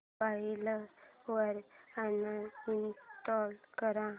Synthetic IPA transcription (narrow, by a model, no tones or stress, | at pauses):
ailəʋəɾanːaint̪ɔlkəɾã